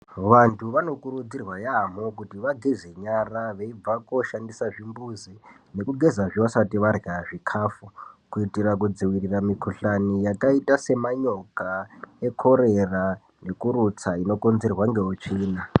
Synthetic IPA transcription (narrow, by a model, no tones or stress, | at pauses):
ʋantʰuʋano̞kuɾud͡zirwajam̤o̞kutiʋaɡʱize̞ɲaraʋeib͡vako̞ʃandisaʐimbuzi | ne̞kuɡʱe̞zaʐiwasatiʋaraaʐikʰaːfukuitirak̬ud͡ziwiriramikʰuɬanijakaitase̞maɲo̞kae̞kʰo̞ɾe̞ra | ne̞kuɾut͡saino̞ko̞nze̞rwaŋɡe̞ut͡ʃiːna